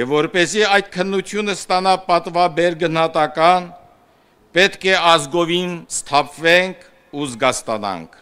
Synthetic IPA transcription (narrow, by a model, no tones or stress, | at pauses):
jɛvːɔɾpɛziɑjd̪̚kʰənːut͡s̪ʰjunəst̪ɑnɑpɑt̪vɑbɛɾɡənhɑt̪ɑkɑn | pɛt̪kʰɛɑzɡɔvinst̪ʰɑpʰvɛŋkʰ | uzɡɑst̪ɑ̰nɑ̰ŋkʰ